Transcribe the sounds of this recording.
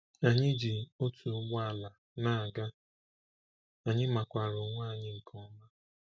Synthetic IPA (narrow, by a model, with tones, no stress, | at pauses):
a˨ɲɪ˦d͡ʒi˨o˦tu˨˦ɡ͡ba˦a˨la˨ | na˦˨a˨ɡa˦ | a˨ɲɪ˦ma˨kʷa˨ɾʊ˨ŋʷaː˦˨ɲɪ˦ŋ̩˨kʰɔ˦ma˦